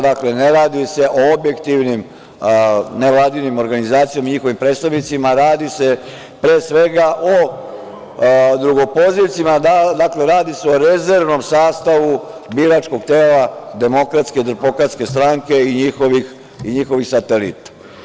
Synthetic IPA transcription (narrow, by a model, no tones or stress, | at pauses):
d̪akle̞neɾaːd̪ise̞ʔoobje̞kt̪iʋnim | neʋlˠaːd̪inimo̞ɾɡanizaːt̪sijamaɲixo̞ʋimpɾed̪st̪aʋnit̪simaɾaːd̪ise̞ | pɾeːsʋe̞ɡaʔo | d̪ɾuɡo̞po̞ziʋt̪simad̪ad̪akle̞ɾaːd̪ise̞o̞ɾezeɾʋno̞msaːst̪aʋu | biːɾaːt͡ʃko̞ɡ̚t̪eːlad̪e̞mo̞kɾat̪sked̪ɾpo̞kɾat̪ske̞st̪ɾaːŋke̞iɲixoʋix | iɲixo̞ʋixsat̪elḭt̪ḁ